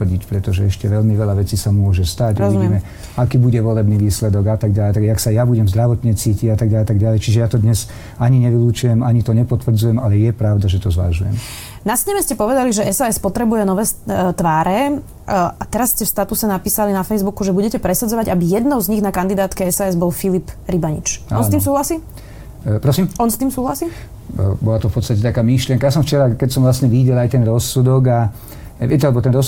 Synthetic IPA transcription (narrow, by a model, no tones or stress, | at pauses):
ɟicpɾɛt̪ɔʒɛɛʃcɛʋɛʎmiʋɛlaʋɛt͡siːsamʊɔʒɛst̪aɟɾɔzʋiimɛ | akiːbuɟɛʋɔlɛbniːʋiːslɛd̪ɔɡat̪aɡɟalt̪aaksajabuɟɛmzd̪ɾaʋɔt̪ɲɛt͡siːciɟat̪aɡaat̪aɡɟalɛjt͡ʃiʒɛjat̪ɔd̪ɲɛz | aɲiɲɛʋiluːt͡ʃujɛmaɲit̪ɔɲɛpɔt̪ʋr̩d͡zujɛmalɛjɛpɾaʊd̪aʒɛt̪ɔzʋa̰ʒujɛ̰m | nasɲɛmɛscɛpɔʋɛd̪aliʒɛʔɛsaːɛspɔt̪ɾɛbujɛnɔʋɛːt̪ʋaːɾɛ | at̪ɛɾasːcɛfst̪at̪usɛnapiːsalinafɛjzbukuʒɛbuɟɛcɛpɾɛsad͡zɔʋaɟabijɛd̪nɔʊzɲiɣnakand̪id̪aːt̪kɛɛsaːɛzbɔlfilipɾibaɲḭt͡ʃɔnst̪iːms̬uːɦlasiː | pɾɔsiːmɔnst̪iːmsuːɦlasiː | bɔlat̪ɔfpɔt̪t͡sst̪acɛt̪akaːmiʃlɪɛŋkajasɔmft͡ʃɛɾakɛcsɔmʋlastɲɛʋiɟɛlajt̪ɛnɾɔsud̪ɔɡa | ʋɪɛcɛalɛbɔt̪ɛnɾɔs